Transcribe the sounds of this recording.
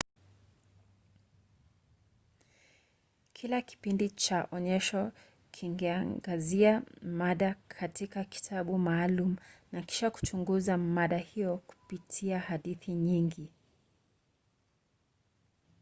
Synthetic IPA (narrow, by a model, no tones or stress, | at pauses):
kʰilaki̥pindit͡ʃaʔɔɲɛʃɔ | kʰiŋɡɛaŋɡaziamaɗakʰatikaki̥tʰaɓumaːlum̩naki̥ʃaku̥t͡ʃuŋɡuzamaɗahijɔku̥pitʰiahaɗiθiɲiŋɡi